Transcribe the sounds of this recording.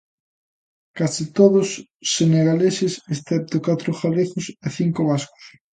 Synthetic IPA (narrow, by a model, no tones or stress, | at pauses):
kasit̪oðʊsː | eneɣalesesesθɛp̚t̪ʊkat̪ɾʊxaβexʊseθiŋkoβ̞askʊ̥s